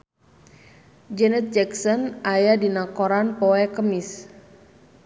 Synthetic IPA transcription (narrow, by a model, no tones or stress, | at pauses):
d͡ʒɛnɛt̪̚d͡ʒɛksɔnʔajadinakɔɾanpɔɛkəmis